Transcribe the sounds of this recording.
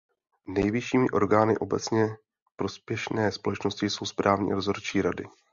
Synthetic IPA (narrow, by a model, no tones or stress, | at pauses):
nɛjvɪʃiːmɪʔo̞ɾɡaːnɪ̰ʔo̞bɛt͡sɲɛ | pɾo̞spjɛʃnɛːspo̞lɛt͡ʃno̞scɪso̞wspɾaːvɲḭːɾozoɾt͡ʃiːɾadɪ̰